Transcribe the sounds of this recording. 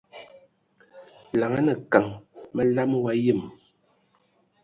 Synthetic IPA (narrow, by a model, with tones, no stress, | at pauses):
la˨ŋa˦nɛ˨ka˨ŋmɛ˦la˦m˦wa˦ji˦˨m